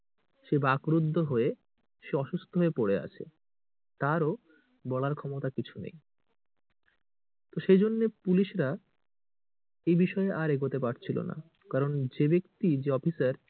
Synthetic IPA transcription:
ʃebakɾud̪ʱːoɦoe | ʃeɔʃust̪ʰoɦoepoɽea̰t͡ɕʰḛ | t̪aɾo | bɔlaɾkʰɔmot̪akit͡ɕʰunḛj | t̪oʃejd͡ʑonːepuliʃɾa | ejbiʃɔeʔaɾeɡot̪epaɾt͡ɕʰilo̰na̰ | kaɾond͡ʑebekt̪id͡ʑeɔfisaɾ

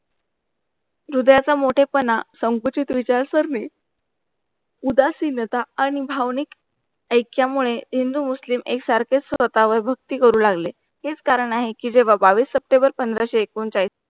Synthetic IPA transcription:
ɾud̪jat͡samoʈʰepənasəŋkut͡ɕit̪ʋit͡ɕaɾsəɾniː | ud̪asinət̪aːɽ̃ibʱaʋnik | əjkjamuɭeɦind̪uːmuslimeksaɾket͡ssʋət̪aʋəɾbʱəɡ̚t̪iːkəɾuːlaɡle | ɦet͡skaɾəɳaɦekid͡ʑeʋ̤abaʋiːsːəp̚ʈẽmbəɾpənd̪ɾaɕeːkuːnt͡ɕajs

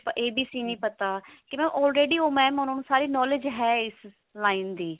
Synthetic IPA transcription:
pəʔeːbiːsiːnĩːpət̪aːkɪmɛ̃ːʔɔːlɾeːɖiːoːmɛ̃ːmõːnoːnũːsaːɾiːnɔːlɪd͡ʒɦɛːɪs | laːind̪iː

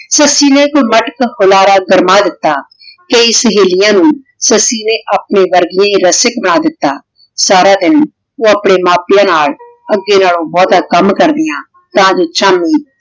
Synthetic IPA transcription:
səsiːnekoməʈəkhʊlaːɾaːɡəɾmaːd̪ɪt̪ːaː | keisəɦeːlɪjãːnũː | səsiːneːʔap̚neːʋəɾɡɪjãːĩːɾəsɪkbəɽ̃aːd̪ɪt̪ːaː | saːɾaːd̪ɪn | oːəpɳeːmaːpɪjãːnaːl | əɡeːnaːlõːbɔːt̪aːkəmkəɾd̪ɪjãː | t̪ãːd͡ʒoːt͡ʃaːmiː

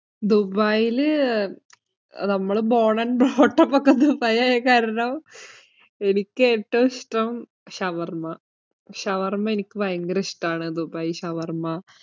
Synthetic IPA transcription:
d̪ubaːjil | nɐmːɐɭbo̞ːɳɐnbroːʈːɐpːokːɐd̪ubɐjajɐkaːɾɐɳɐm | enikʲːeʈːoʂʈɐm | ɕɐʋɐrmɐ | ɕɐʋɐrmɐenikʲːɨʋɐjɐŋɡɐɾɐʂʈaːɳɨd̪ubaːjiɕɐʋɐrmɐ

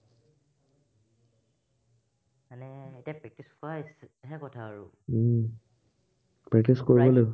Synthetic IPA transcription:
anɛetijapɹɛk̚tiskɔasɦɛkɔtʰaːɹṵ | pɹɛk̚tiskoɹibɔlo

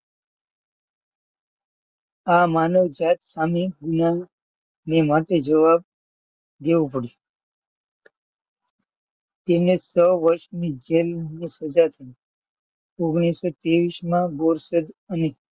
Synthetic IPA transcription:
amanəʋd͡ʒat̪samiɡʊna | nemaʈed͡ʒəʋab̚ | d̪eʋũpəɽi | t̪enesəʋəɾʃmĩd͡ʒelnũsəd͡ʒat̪ʰə | oɡɽ̃isːot̪eʋismãboɾsəd̪əne

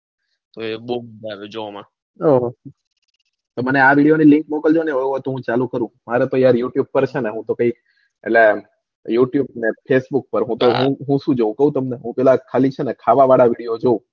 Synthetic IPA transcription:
t̪oebomədaʋed͡ʒoʋamã | oɦ | t̪oməneaʋiɽijonilɪ̃ŋkmɔkəld͡ʒoneɦojɦojt̪oɦũt͡ʃalũkəɾũmaɾet̪ojaɾjuʈjub̚pəɾt͡ʃʰeneɦũt̪okə̃ik | ḛʈle | juʈjubnefʰesbuk̚pəɾɦũt̪oɦũɦũʃũd͡ʒoũkəɦũt̪əmneɦũpɛɦlakʰalit͡ʃʰenekʰaʋaʋaɽaʋiɽijod͡ʒoũ

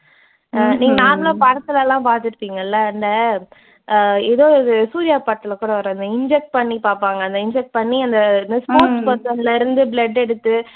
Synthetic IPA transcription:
niːŋɡɐnaːɾɐlaːpɐɾɐt̪ːɯlɐːlãːpaːɾt̪ɯɾɯpːiːŋɡɐɪlːɐɐnd̪ɐ | ɛðoːɪðɯsuːɾɪjaːpaːɾt̪ːɪlɐkuːɽɐʋɐɾɐ̃ɐnd̪ɐɪɲd͡ʒɛk̚ʈ̚pɐɳːipaːɾpaːŋɡɐːnd̪ɐɪɲd͡ʒɛk̚ʈ̚pɐɳːiɐnd̪ɐɐnd̪ɐspoːɾʈspoɾt̪ɐnlɐɪɾɯnd̪ɯbɭɛɖɛɽɯt̪ːɯ

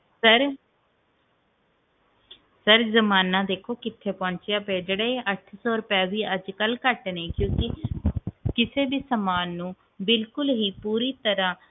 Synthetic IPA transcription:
səɾ | səɾzəmaːnãːd̪eːkʰoːkɪt̪ʰːeːpɔ̃ːɲt͡ʃjaːpeːd͡ʒeːɽeːeʔəʈʰsɔːɾʊpɛːʋiːʔəd͡ʒkəlkəʈnẽːkjõːkɪ | kɪseːbiːsəmaːnːũː | bɪlkʊlɦiːpuːɾiːt̪əɾãː

